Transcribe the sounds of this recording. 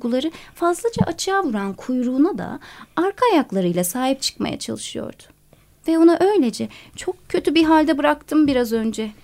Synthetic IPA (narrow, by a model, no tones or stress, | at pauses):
ɡulˠaɾɯfazlˠad͡ʒaʔat͡ʃʰɯaːvuɾankʰujɾuːnad̪a̰aɾkʰaːjaklˠaɾɯjlʲˠasaːɦip̚t͡ʃʰɯ̥kma̰ja̰t͡ʃʰa̰lˠɯʃɯjo̞̰ɾd̪̥ʊ̥ | vɛo̞naʔø̞jlʲe̞d͡ʒɛt͡ʃʰo̞k̚cʰːø̞t̪ʰybiɦalʲd̪ɛbɯɾakt̪ʰɯmbiɾazø̞nd͡ʒɛ